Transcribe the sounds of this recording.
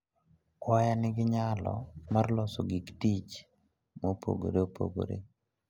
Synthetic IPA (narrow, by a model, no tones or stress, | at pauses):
kwajanɪɡɪɲalɔ̰marlɔsoɡiktit͡ʃ | mopo̰ɡo̰ɾeopʰo̰ɡo̰ɾḛ